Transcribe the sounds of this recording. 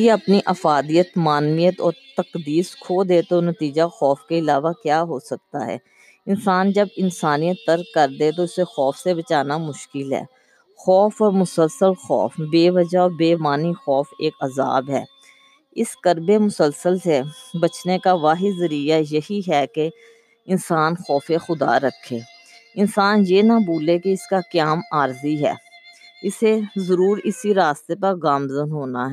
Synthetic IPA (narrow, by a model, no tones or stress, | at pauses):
eɐpniʔɐfaːd̪ijət̪maːnmijət̪ɔːɾt̪ɐqd̪iːskʰoːd̪et̪onət̪iːd͡ʒaxɔːfkeɪlaːʋakjaːɦoːsɐk̚t̪a̰ɦɛ̰ː | ɪnsaːnd͡ʒɐbɪnsaːnijət̪ːəɾkɐɾd̪et̪oʊsexɔːfsebɐt͡ʃaːnamʊʃkɪlɦɛ̰ː | xɔːfɔːɾmʊsəlsəlxɔ̰ːfbeːʋɐd͡ʒaɔːbeːmaːnixɔːfeːkɐza̰ːbɦɛ̰ː | ɪskəɾbemʊsəlsəlsebɐt͡ʃnekaʋaːɦizɐɾijajɐɦiɦɛke | ɪnsaːnxɔːfexʊd̪a̰ɾɐkʰːeː | ɪnsaːnjeːnaboːlekeɪskakjaːmaːɾziɦɛ̰ːɪsezɐɾuːɾɪsiɾaːst̪epɐɾɣaːmzənɦoːnaɦɛ